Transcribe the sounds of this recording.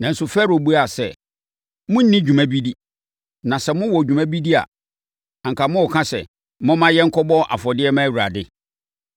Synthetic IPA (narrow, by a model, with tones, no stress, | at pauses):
nã˨n̩˨sʊ˨fɛ˦ɾo˨bu˦a˨sɛ˨ | mʊ̃˦n̩˦nĩ˦d͡ʑᶣu˨mæ̃˦bi˦di˦ | nã˨sɛ˨mʊ̃˦wɔ˨d͡ʑᶣu˨mæ̃˦bi˦dɪ˦a̰˨ | ã˨ŋ̩˨kʰa˨mʊ̃˦ɔ˨kʰã˦sɛ̰˨ | mʊ̃˦mã˦jɛ˦ŋ̩˦kʰɔ˦bɔ˦ʔa̰˨fɔ˨dɪ˦ɛ˦mã˦˨wu˨ɾa˨dɪ˦